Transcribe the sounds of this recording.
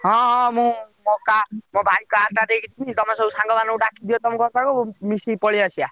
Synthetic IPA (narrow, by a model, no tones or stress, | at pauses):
ɦɔ̃mũmokamõbʱajkaaɾt̪aɾekʰit͡ʃʰinĩt̪ɔmãsɔusãŋɡɔmanɔ̃ũɖakʰid̪ijot̪ɔmɔ̃kɔɾt̪akomisipɔɭiasija